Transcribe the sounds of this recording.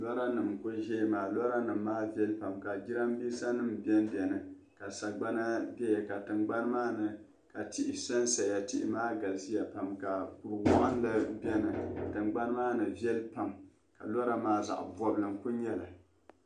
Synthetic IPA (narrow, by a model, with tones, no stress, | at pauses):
lɔ˦ɾa˦nɨ˨mkʊ˦ʒɛ˦maː˨lɔ˦ɾa˦nɨ˨mː˦aː˦vi˦ɛ˦lpa˨mka˨d͡ʒi˦ɾa˦m˦biː˦sa˦nɨ˦mbɛ˦nbɛ˨nɨ˨ | ka˨sa˨ɡ͡ba˦na˦dɛ˦jɛ˨ka˨tɨ˨mɡ͡ba˦n˦maː˦nɨ˨ | ka˨tɪ˦ʔɪ˨˦sa˦nsa˨a˨tɪ˦ʔɪ˦maː˦ɡa˨lsi˦ja˨pa˨mka˨ku˨ɾwɔ˦ʔɨ˦n˦lɨ˦bɛ˦nɨ˨tɨ˨mɡ͡ba˦n˦maː˦nɨ˨vjɛ˦lpa˨m | ka̰˨lɔ˦ɾa˦maː˦za̰˨ʔbɔ˦blɨ˨mku˦ɲɛ˦la˨